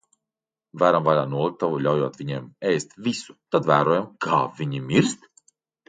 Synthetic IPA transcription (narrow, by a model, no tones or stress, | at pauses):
væːɾamvalaːnuɔlˠik̚t̪avuʎʲawjuɔt̪vʲiɲɛːmɛjst̪vʲisu̥t̪ad̪væːɾuɔjamkʰaːvʲiɲimiɾst̪